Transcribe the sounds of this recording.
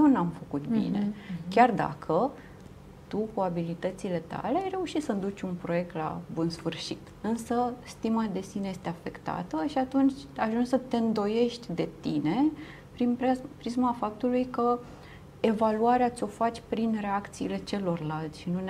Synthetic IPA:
jewnamfəkut̪̚bḭnḛard̪a̰kʰə | t̪ukuabilit̪ət̪sile̞t̪a̰le̞ajre̞uʃit̪sənd̪ut͡ʃʲunpɾo̞je̞k̚t̪la̰bunsfɨrʃit̪ɨnsəst̪imad̪e̞sinejest̪e̞afekt̪a̰t̪əʃiat̪unt͡ʃʲaʒunsət̪e̞ɨnd̪o̞je̞ʃt̪ʲd̪e̞t̪ine̞ | pɾinpɾisməafap̚t̪ulujkə | e̞valuaɾeat̪sʲo̞fat͡ʃʲpɾinre̞akt̪siiːle̞t͡ʃe̞lo̞rlalt̪sʲʃinun

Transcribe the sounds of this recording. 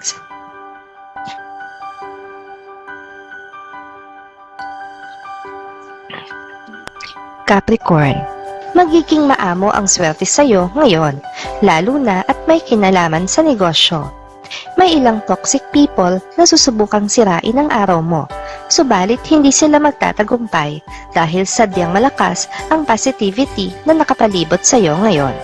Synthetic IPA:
kapɾɪkoɹnmɐɡiːɡɪŋmɐʔaːmo̞̰ʔɐ̰ŋswɛɾt̪ɛsɐjo̞ŋɐjo̞nlaːluːnɐʔɐt̪̚mɐjkɪnaːlaːmɐnsɐnɛɡo̞ːʃo̞ | mɐjʔɪlaŋt̪oksɪk̚piːpolnɐsuːsʊbuːkɐŋsɪɾaːʔɪnɐŋʔaːɾɐwmo̞̰sobaːlɪt̪̚hɪnd̪iːsɪlamɐɡ̚t̪a̰ːt̪ɐɡʊmpajd̪̥aːɦɪlsɐd̪jɐŋmɐlɐka̰sʔɐŋpasɪt̪iːvɪt̪inɐnɐkɐpɐliːbot̪̚sɐjo̞ŋɐjo̞̰n

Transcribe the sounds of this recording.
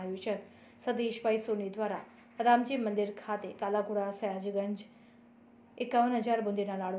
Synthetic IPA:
juɕək | səd̪iːɕʋaisonid̪ʋaɾa | ɾamd͡ʑiːmənd̪iɾkʰat̪ekalakuɽasəjad͡ʑɡənd͡ʑ | ekːaʋənɦəd͡zaɾbund̪inalaɽ

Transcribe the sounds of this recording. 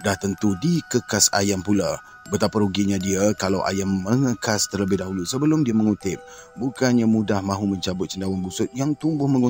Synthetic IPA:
daht̪ənt̪udikəkasa̰jampula | bət̪apaɾuɡiɲãdiakalawʔa̰jamːəŋəkast̪ərləbɪhdaɦulusəbəlʊmdiaməŋut̪ɪp̚ | bukanɲamudahmãɦumə̃ɲt͡ʃabʊt̪̚t͡ʃəndawanbusʊt̪̚jaŋt̪umbʊhmə̃ŋu

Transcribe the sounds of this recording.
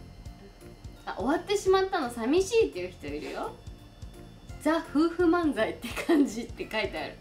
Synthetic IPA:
aʔo̞βat̪ːe̞ɕimat̪ːano̞samʲiɕiːt̪ːe̞jɯ̟çi̥t̪o̞iɾɯ̟̰jo̞ | d͡zaɸɯ̟ːɸɯ̟mãnd͡zait̪ːekʰãɲd͡ʑit̪ːe̞kait̪eaɾɯ̟

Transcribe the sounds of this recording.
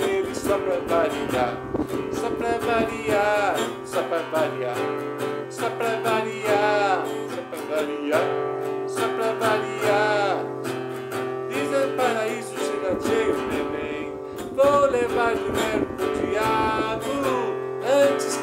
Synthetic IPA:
eɾisɔpɾɛvaɾia | sɔpɾɛvaɾia | sɔpɾɛvaɾia | sɔpɾɛvaɾia | sɔpɾɛvaɾiasɔpɾɛvaɾia | d̪izẽpaɾaizusid̪ad͡ʒejɾut̪ẽmẽj̃ | vowlevaɾlumɛɾpud͡ʒiadu | ɐ̃t͡ʃis

